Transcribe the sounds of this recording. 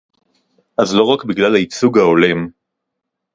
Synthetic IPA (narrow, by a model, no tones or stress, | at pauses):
ʔazlo̞ʁakbiɡlalait͡suɡhao̞lem